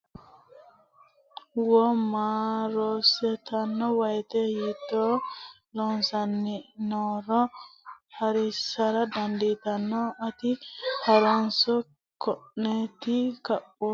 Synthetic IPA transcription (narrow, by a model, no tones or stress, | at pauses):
wɔmaɾɔsɛt̪ɐnːɔwɐjt̪ɛjɪt̪ːɔ | lɔnsɐnːɪnɔɾɔ | hɐɾɪsɐɾɐd̪ɐnd̪it̪ɐnːɔɐt̪ɪhɐɾɔnsɔ | kʰɔʔnet̪ɪkɐʔɔ